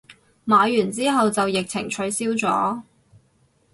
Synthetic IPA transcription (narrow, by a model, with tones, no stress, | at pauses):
maː˨˧jyː˨˩nt͡siː˥ɦɐ˨wt͡sɐ˨wjɪ˨k̚t͡sʰɪ̰˨˩ŋt͡ʃʰɵ˨˥ɥsiː˥wt͡sɔ̰ː˨˥